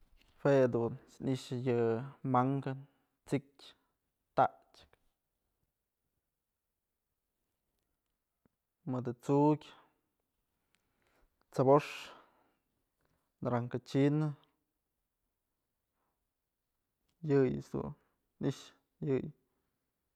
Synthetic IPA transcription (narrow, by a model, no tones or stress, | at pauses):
hwed̪unsniʃjɨmaŋkan | t͡sikʲ | t̪aʔt͡ʃk | mɨd̪ɨt͡sukʲ | t͡saboʂ | nɾaŋkat͡ʃinɨ | jɨj̰sd̪ṵn | niʃ | jɨj